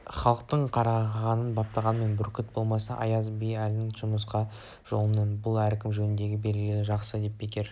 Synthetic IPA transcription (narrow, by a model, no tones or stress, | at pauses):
χɑlˠəq̚t̪əɴqʰɑɾɑʁɑnənbɑp̚t̪ɑʁɑnme̞nbʊɾkʲɪt̪̚bo̞lˠmɑsɑʔɑ̰jɑzbejælnɪŋʒʊməs̬qɑ | ʒ̥o̞̰lˠənːənbʊlˠæɾkʲɪmʒɵnɪnd̪e̞ɡʲɪbe̞lɡʲɪlɪʒɑqsəd̪e̞ppʰekʲe̞ɾ